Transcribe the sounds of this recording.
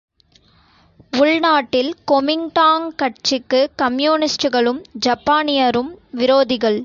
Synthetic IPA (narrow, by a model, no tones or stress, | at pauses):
ʊɭnaːʈːɪlkɔmɪŋʈaːŋkɐʈt͡ʃɪkːɯkɐmjuːnɪsʈɯɣɐɭɯmd͡ʒɐpːaːnɪjɐɾɯmʋɪɾoːðɪɣɐɭ